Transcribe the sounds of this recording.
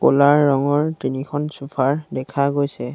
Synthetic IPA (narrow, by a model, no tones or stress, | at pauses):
kolaɹːɔŋɔɹtinikʰɔnsupʰaɹdɛkʰaɡojsɛ